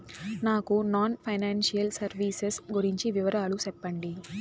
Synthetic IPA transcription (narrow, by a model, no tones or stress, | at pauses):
naːkunaːnpʰɐjnaːnʂijɐlsɐɾʋiːsesɡuɾiɲt͡ʃiʋiʋɐɾaːlut͡ʃɛpːɐɳɖi